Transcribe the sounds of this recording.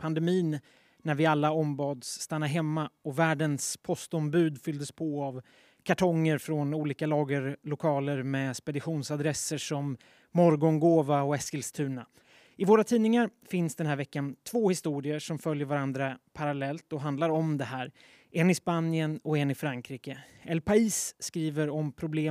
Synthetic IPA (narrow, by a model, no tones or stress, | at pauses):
pʰand̪ɛmiːnː | æɾvɪalːaɔmbɑːd̪sːt̪anːaɾɦɛmːaɔvæːɖənspʰɔst̪ɔmbʉ̟ːd̪fʏld̪əspʰɔav | kʰaʈʰɔŋːəɾfɾɔnuːliːkalɑːɡəɾlʊkʰɑːləɾmɛspɛd̪ɪɧuːnsad̪ɾɛsːəʂɔmː | ɔɾɡɔŋɡoːvaɔɛskəlst̪ʰʉ̟ːɳa | ɪvoːɾat̪ʰiːnɪŋaɾfɪnsd̪ɛnɦæːɾvɛkːant̪ʰvoːhɪst̪uːɾɪəʂɔmfœljəɾvaɾand̪ɾapʰaɾalɛlt̪ɔɦand̪laɾɔmd̪ɛɦæːɾ | ʔɛnɪspanɪənɔɛnːɪfɾaŋkʰɾiːkəɛlpaiːsːkɾiːvəɾɔmpʰɾʊbleː